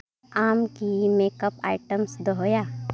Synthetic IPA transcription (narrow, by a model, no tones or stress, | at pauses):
aːmkimeːkəpa̰ːɪʈəmsd̪oɦoːjaː